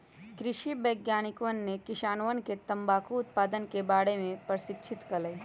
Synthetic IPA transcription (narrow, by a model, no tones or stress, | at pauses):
kɾɪʃibɐːɡjaːnɪkʋənːekɪʃaːnʋənket̪ɐ̃mbaːkuʊt̪̚paːd̪ənkebaːɽemẽpɾəʃɪkʃʰɪt̪kɐlai